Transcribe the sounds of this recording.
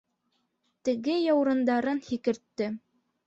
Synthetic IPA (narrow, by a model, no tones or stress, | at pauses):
t̪ɘ̆ɡɘjɑwɾɤ̆nd̪ɑɾɤnhikɘ̆ɾt̪ːɘ